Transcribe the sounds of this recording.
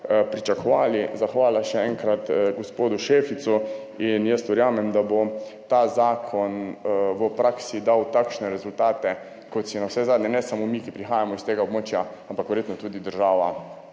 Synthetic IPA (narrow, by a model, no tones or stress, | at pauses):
pɾit͡ʃakɔʋaːlizaxʋaːlaʃɛɛŋkɾat̪ɡospoːd̪uʃefit̪su | injəst̪ʋɛɾjaːmɛmd̪abot̪aːzaːkʰɔnʋəpɾaksid̪awt̪akʃnɛɾɛzult̪aːt̪ɛ | kɔt̪sinawsɛzaːd̪ɲɛnɛsamomikipɾixaːjamɔist̪eːɡaobmoːt͡ʃjaampakʋɛɾjeːt̪nɔt̪uːd̪id̪əɾʒaːʋa